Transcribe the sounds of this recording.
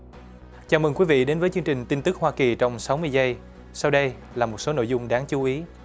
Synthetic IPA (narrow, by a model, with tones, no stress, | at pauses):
t͡ɕaː˧˩mə˨˩ŋkwi˨˦vḭ˧˨ɗe˨˦nvəː˨˦jt͡ɕɨ˧ŋt͡ɕï˨˩ŋ̟t̪i˧nt̪ɨ˦˥k̚hwaː˧ki˨˩t͡ɕɔ˧wŋ͡msa˨˦wmɨ˧əjzə˧j | sa˧wɗə˧j | laː˨˩mo˨˩t̚so˨˦no̰˧˨jzʊ˧ŋ͡mɗaː˨˦ŋt͡ɕu˨˦ʔi˨˦